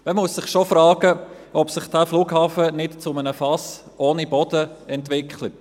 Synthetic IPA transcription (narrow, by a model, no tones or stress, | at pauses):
məmussɪχʃɔfɾɑːɡəʔɔpsɪχd̥æfluːɡhɑːfənɪtt͡sʊmənəfɑs | oːnibɔd̥əɛntʋɪkχlət̚